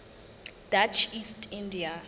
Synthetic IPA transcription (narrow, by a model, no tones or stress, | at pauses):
dat͡ʃʰistʰĩndia